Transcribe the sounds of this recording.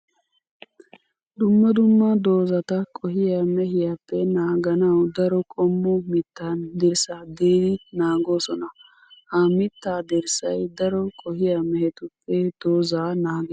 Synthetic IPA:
d̪ʊmːɐd̪ʊmːɐd̪o̞ːzɐt̪ɐkʼɔɦɪjamɛhɪjapːɛnaːɡɐnɐwd̪ɐɾɔkʼɔmːʊmɪt̪ːand̪ɪɾsaːd̪eːd̪ɪnaːɡo̞ːsɔnɐ | hɐmɪt̪ːaːd̪ɪɾsɐjd̪ɐɾɔkʼɔɦɪjamɛhɛt̪ʊpːɛd̪̥o̞ːzaːnaːɡɛ

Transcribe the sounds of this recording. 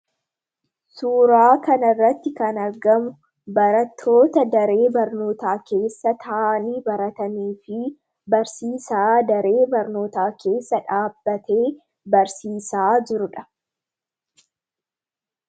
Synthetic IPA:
suːɾaːkɐnɐrːɐt̪ːɪkɐnɐɾɡɐmʊ | bɐɾɐt̪ʰːo̞ːt̪ɐd̪ɐɾe̞ːbɐɾno̞ːt̪aːke̞ːsːɐt̪ʰɐʔaːniːbɐɾɐt̪ɐniːfɪ | bɐɾsiːsaːd̪ɐɾe̞ːbɐɾno̞ːt̪aːke̞ːsːɐᶑaːbːɐt̪eː | bɐɾsiːsaːd͡ʒɪɾʊᶑɐ̥

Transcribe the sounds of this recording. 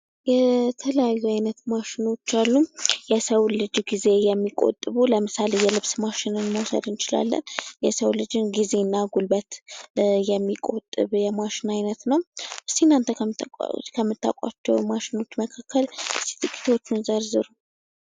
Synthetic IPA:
jɛt̪ʰələjajːuajnət̪maʃɪno̞t͡ʃːalːujɛsəwlɨd͡ʒɡize̞jɛmːikʼo̞̰t̪ʼːɨβuləmɨsale̞jɛlɨβsmaʃɪnɨnməwsə̰d̪ɨnt͡ʃɪla̰lːə̰njɛsəwlɨd͡ʒɨnɡize̞nːaɡulbət̪jɛmːikʼo̰t̪ʼːɨβjɛmaʃɪnajnət̪nəwʔɨst̪inant̪ʰə̰ | kʰəmːɨt̪ːa̰kʷʼa̰t͡ʃːɛ̰wmaʃɪno̞t͡ʃːməkʰakːəlɨst̪i̥t̪ʰʼɨkʼːi̥t̪ʰo̞t͡ʃːunzəɾzɨɾu

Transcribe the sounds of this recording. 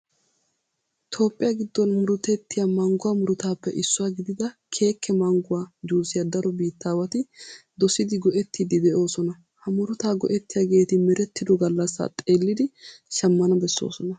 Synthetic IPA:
t̪ʰo̞ːpʼːɪjaɡɪd̪ːɔnmʊɾʊt̪ɛt̪ːɪjamɐŋɡʊwaːmʊɾʊt̪aːpːɛʔɪsːʊwaːɡɪd̪ɪd̪ɐkʰe̞ːkʰːɛmɐŋɡʊwaːd͡ʒuːsɪjɐd̪ɐɾɔbiːt̪ːaːwɐt̪ɪd̪ɔsɪd̪ɪɡɔʔɛt̪ːid̪ɪd̪ɛʔo̞ːsɔnɐ | hɐmʊɾʊt̪aːɡɔ̰ʔɛt̪ːɪjaɡe̞ːt̪ɪmɛɾɛt̪ːɪd̪ɔɡɐlːɐsːa̰ːt̪ʼeːlːɪd̪ɪʃɐmːɐnɐbɛsːo̰ːsɔnɐ

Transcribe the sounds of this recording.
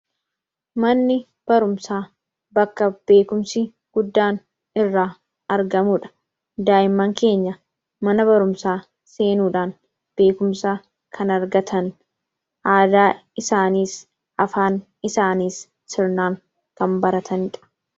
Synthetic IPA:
mɐnːɪ | b̥ɐɾʊmsaː | bɐkːɐb̥e̞ːkʊmsɪ | ɡ̥ʊd̪ːaːn | ɪrːaː | ɐɾɡɐmuːᶑɐ̥ | d̪aːjɪmːɐŋke̞ːɲːɐ | mɐnɐbɐɾʊmsaː | se̞ːnuːᶑaːn | b̥e̞ːkʊmsɐ | kʰɐnɐɾɡɐt̪ʰɐn | ʔaːd̪aːɪsaːniːs | ʔɐfaːn | ɪsaːniːsː | ɪɾnaːŋ | kɐmbɐɾɐt̪ʰɐnɪᶑɐ̥

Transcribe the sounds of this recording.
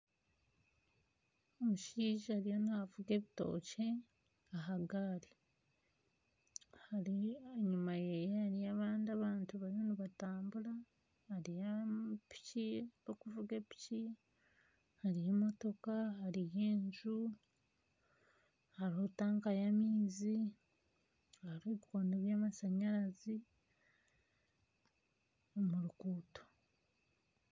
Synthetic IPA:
omuʃiːʒahaɾijo̞nihavuɡe̞βito̞̰ːce̞ | aɦaɡaɾi | haɾiɲumajejehaɾijaβaːndiaβaːntuβaɾijo̞niβataːmbuɾa | hːɾijapi̥ciokuvuɡe̞pi̥ci | haɾijemo̞to̞kaaɾije̞ːɲʒu | haɾihotaːŋkajamiːzi | ɾoβiko̞ːndeβjaːmasaɲaɾazi | omuɾukuːto̥

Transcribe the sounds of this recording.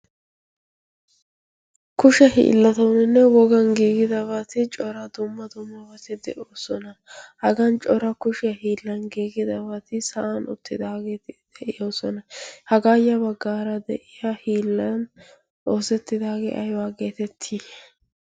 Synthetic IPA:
kʊʃɐhḭːlːɐt̪ɐwnɛnːɛwɔɡɐnɡiːɡɪd̪ɐbɐt̪ɪt͡ʃʼɔɾɐd̪ʊmːɐd̪ʊmːɐbɐt̪ɪd̪ɛʔoːsɔnɐhɐɡɐnt͡ʃʼɔɾɐkʊʃɪjɐhiːlːɐnɡiːɡɪd̪ɐbɐt̪ɪsɐʔɐnʊ̰t̪ːɪd̪aːɡeːt̪ɪd̪̥ɛʔɪjo̞ːsɔnɐhɐɡaːjɐbɐɡːaːɾɐd̪ɛ̰ʔɪjɐhiːlːɐn | ʔoːsɛt̪ːɪd̪aːɡḛːʔɐjwaːɡe̞ːt̪ɛt̪ʰːi

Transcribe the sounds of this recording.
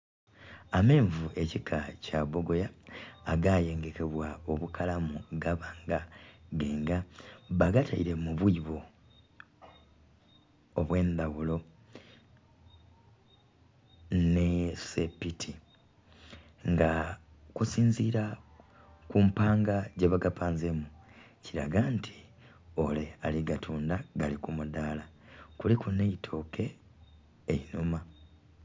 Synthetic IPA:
ame̞ːɱvuʔe̞cikʰacaβo̞ɡo̞jaːɡaje̞ːŋɡe̞ke̞βwao̞βukʰalamuɡaβaːŋɡaɡe̞ːŋɡaβaɡatʰaiɾe̞muβwiβo | βwe̞ːnd̪awulo̞ | nesepitʰi | ŋɡa | kusiːnziːɾa | kumpaːŋɡaɟeβaɡapaːnzemu | ciɾaɡantʰi̥ | ole̞aliɡatʰuːndaɡalikumudaːla | kulikuneitʰo̞ːkʰe̞ː | inuma

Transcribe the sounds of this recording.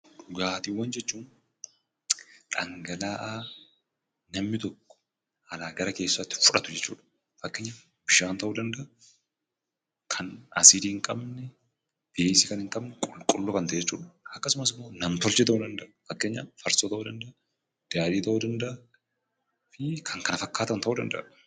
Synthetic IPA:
ᶑʊɡaːt̪iːwːɐnd͡ʒɛt͡ʃːuːn | ᶑʼɐŋɡɐlaːʔaː | nɐmːɪt̪ɔkːɔ̥ | ɐlaːɡɐɾɐke̞ːsːɐt̪ːɪ̥fʊᶑɐt̪ʊd͡ʒɛt͡ʃːuːᶑɐ̥ | fɐkːeːɲːaː | bɪʃaːnt̪ɐʔuːd̪ɐnd̪ɐʔɐ | kʰɐnɐ̰sid̪iːhɪŋkʼɐbnɛ | b̥eːsiːkɐnhɪŋkʼɐbnɛkʼʊlkʼʊlːoːkɐnt̪ɐed͡ʒɛt͡ʃːṵːᶑɐ̥ɐkːɐsʊmɐsɪmːo̞ːnɐmt̪ɔlt͡ʃɛːt̪ɐʔuːd̪ɐnd̪ɐʔɐfɐkːeɲːaːfɐɾsoːt̪ɐʔuːd̪ɐnd̪ɐʔɐ | d̪̥aːd̪iːt̪ɐʔuːd̪ɐnd̪ɐʔɐ | fɪkʰɐŋkɐnɐfɐkːaːt̪ɐnt̪ɐʔuːd̪ɐ̰nd̪ɐ̰ʔ

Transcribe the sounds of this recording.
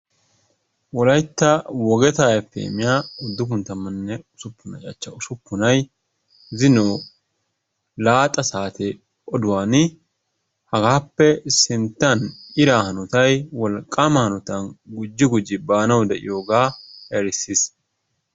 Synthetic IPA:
wɔlɐjt̪ːɐwɔɡɛt̪aːjɛfːɛ̰ːmɪjaːʊd̪ːʊkʊnt̪ːɐmːɐnːɛʊsʊpːʊnɐ̰t͡ʃʼɐt͡ʃːɐʊsʊpːʊnɐj | zɪnoː | laːt̪ʼɐsaːt̪ɛ | ɔd̪ʊwaːn | hɐɡaːpːɛsɪnt̪ːɐnɪɾaːhɐnɔt̪ɐjwɔlkʼːamɐhɐnɔt̪ɐnɡʊd͡ʒːɪɡʊd͡ʒːɪbaːnɐwd̪ɛʔɪ̰jo̞ːɡaːɛɾɪsːis

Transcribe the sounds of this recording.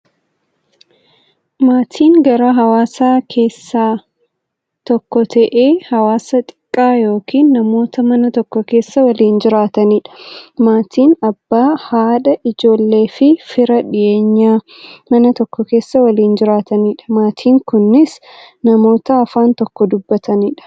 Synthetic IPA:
maːt̪ʰiːŋɡɐɾaːɦɐwaːsaːkʰe̞ːsːaː | t̪ɔkːɔt̪ʰɐʔeːhɐwaːsɐt̪ʼɪ̥kʼːaːjo̞ːkiːnːɐmo̞ːt̪ɐmɐnɐt̪ɔkːɔke̞ːsːɐwɐliːnd͡ʒɪɾaːt̪ɐniːᶑɐ̥maːt̪ʰiːnɐbːaːhaːᶑɐʔɪd͡ʒo̞ːlːe̞ːfɪfɪɾɐᶑɪʔe̞ːɲːaː | mɐnɐt̪ɔkːɔke̞ːsːɐwɐliːnd͡ʒɪɾaːt̪ɐniːᶑɐ̥maːt̪ʰiːŋkʊnːɪs | nɐmo̞ːt̪ɐːfaːnt̪ɔkːɔd̪ʊbːɐt̪ɐniːᶑɐ̥

